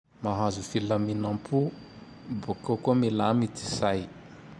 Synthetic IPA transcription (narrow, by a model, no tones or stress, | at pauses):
maɦazufilaminampʰu | bokokomelamit̪i̥saj